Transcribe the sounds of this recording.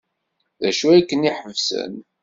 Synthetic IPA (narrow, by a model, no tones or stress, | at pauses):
ðæʃuækːəniħəvsə̰n